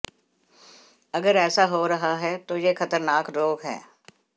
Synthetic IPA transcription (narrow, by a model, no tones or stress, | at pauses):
ɐɡəɾɛːsaɦoːɾɐɦaɦɛːt̪oːjeːxʰɐt̪əɾnaːkɾoːɡɦɛ̰ː